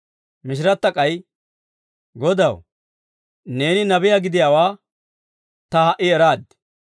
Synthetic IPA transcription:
mɪʃ̬ɪɾɐt̪ːɐkʼɐj | ɡɔd̪ɐw | ne̞ːnɪnɐbɪjaːɡɪd̪ɪjaːwaː | t̪ɐhɐʔɪɛɾaːd̪

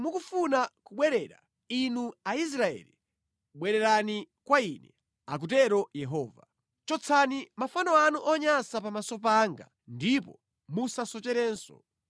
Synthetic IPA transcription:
mukufunakuɓwɛɾɛɾa̰ | inuais̬ɾaɛ̰ːli | ɓwɛɾɛɾani | kwainɛ | ak̬utɛɾɔjɛɦɔːva | t͡ʃɔt͡sʰanimafanɔanuʔɔɲasapamasɔp̬aŋɡa̰ | ndipɔ | musasɔt͡ʃɛɾɛːnsɔ̰

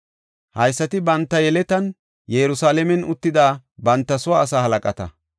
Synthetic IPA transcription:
hɐjsːɐt̪ɪbɐnt̪ːɐjɛlɛt̪ɐn | jɛɾʊsaːlɛmɛnʊt̪ːɪd̪aːbɐnt̪ːɐsʊwaːsaːhɐlɐkʼɐt̪ɐ̰

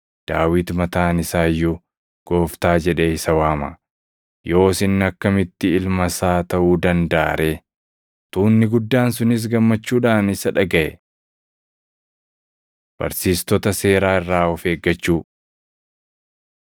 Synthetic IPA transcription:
d̪̥aːwɪt̪mɐt̪aːnɪsaːjːʊ | ɡ̥o̞ːft̪aːd͡ʒɛᶑeɪsɐwaːmɐ | jo̞ːsɪnːɐkːɐmɪt̪ːɪɪlmɐsaːt̪ɐʔuːd̪ɐnd̪ɐa̰ːɾʔe | t̪uːnːɪɡʊd̪ːaːns̬ʊnɪs̬ɡɐmːɐt͡ʃːuːᶑaːnɪsɐᶑɐɡɐʔɛ̰ | b̥ɐ̰ɾsiːst̪ɔt̪ɐse̞ːɾaːɪrːaːɔfe̞ːɡːɐt͡ʃːuː

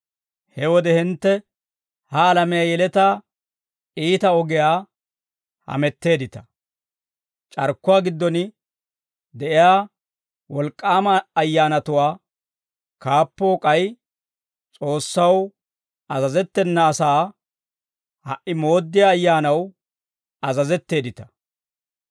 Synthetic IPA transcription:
hɛwɔd̪ɛhɪnt̪ːɛ | hɐːlɐmɛjaːjɛlɛt̪aː | iːt̪ɐɔɡɪjaː | hɐ̰mɛt̪ːe̞ːd̪ɪt̪ɐ̥ | t͡ʃʼɐɾkːʊwaːɡɪd̪ːɔn | d̪ɛʔɪjaː | wɔlkʼːaːmɐːjːaːnɐt̪ʊwaː | kaːpːoːkʼɐj | t͡sʼo̞ːsːɐw | ɐzɐzɛt̪ːɛnːɐːsaː | hɐ̰ʔɪmo̞ːd̪ːɪjaːjːaːnɐw | ɐzɐzɛt̪ːe̞ːd̪ɪt̪ɐ̥

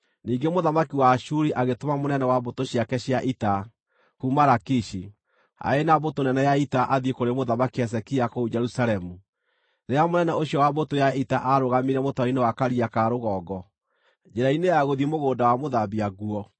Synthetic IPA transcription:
niːɡemoðamakiwaʃuɾiʔaɣetomamonɛnɛwabotoɕiakɛɕjaʔita | kumaɾakiʃi | a̰enabotonɛnɛjaitaʔaðiekoɾemoðamakiɛs̬ɛkiakoud͡ʒɛɾusaɾɛmu | ɾeamonɛnɛoɕjɔwabotojaitaʔaɾoɣameɾɛmotɔinewakaɾiakaɾoɣɔːɡɔ | d͡ʒeɾainejaɣoðimoɣoːndawamoðabiaɣuɔ

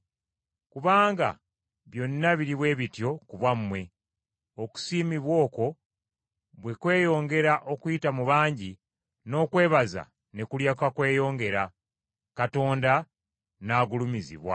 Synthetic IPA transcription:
kuβaːŋɡa̰ | βjo̞nːaβiɾiβwe̞ːβitjo̞kuβwamːwe̞ | oku̥siːmiβwo̞ːko̞ | βwe̞kwe̞ːjo̞ːŋɡe̞ɾaʔo̞kuitamuβaːɲɟi | no̞ːkwe̞ːβaza̰ | ne̞kuljakakwe̞ːjo̞ːŋɡe̞ɾa | kato̞ːnda | naːɡulumizḭβwa̰

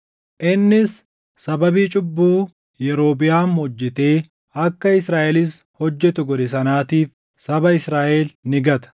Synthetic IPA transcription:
ʔɪnːɪs | sɐbɐbiːt͡ʃʼʊbːuː | jɛɾo̞ːbɪjaːnhɔd͡ʒːɪt̪e̞ː | ɐkːɐɪsɾaːʔɛlɪs | hɔd͡ʒːɛt̪ʊɡɔd̪ɛsɐnaːt̪iːf | sɐbɐɪsɾaːʔɛlnɪɡɐt̪ɐ̥

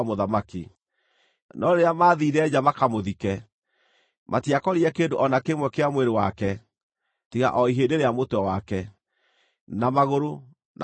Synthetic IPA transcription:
moðamakḭ | nɔɾeɾeamaːðiːɾɛd͡ʑamakamoðikɛ | mʔatiakɔɾiɛkeːndoʔɔnakemwɛkeamweɾewakɛ | tiɣa̰ʔɔiɦeːndeɾeamotɔwakɛ | namaɣoɾo | na

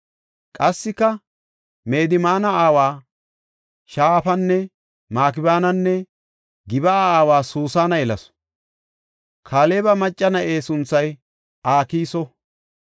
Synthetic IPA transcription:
kʼɐsːɪkːɐ | me̞ːd̪ɪmaːnɐaːwaː | ʃaːfɐnːɛ | maːk̬ɪbaːnɐnːɛ | ɡɪbɐaːwaːsuːsaːnɐjɛlɐ̰s | kʰaːle̞ːbɐmɐt͡ʃʼːɐnɐʔeːsʊnt͡sːɐj | ʔaːkiːsɔ

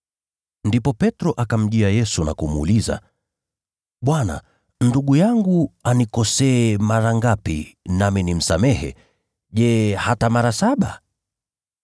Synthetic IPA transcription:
ndipɔpɛtɾɔʔakam̩ʄiajɛsuna̰kum̰ːliza̰ | ɓwana̰ | nduɠujaŋɡuanikɔsɛːmaɾaŋɡapḭnaminim̩samɛhɛ̰ | ʄɛhatamaɾasaɓa

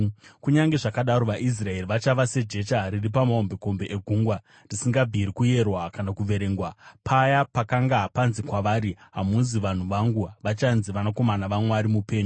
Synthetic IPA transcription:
kuɲaŋɡe̞ʐakaɗaɾo̞ʋaʔis̬rae̞riʋat͡ʃaʋase̞d͡ʒe̞t͡ʃariripamaombeko̞mbe̞ʔeɡʱuːŋɡwa | risiŋɡabʱiɾikuje̞rwakanakuʋe̞ɾe̞ːŋɡwapʰajapakaŋɡapanzikwaʋaːɾiɦamuziʋan̤uʋaŋɡuʋat͡ʃanziʋanako̞manaʋamwaɾimupe̞ːɲo

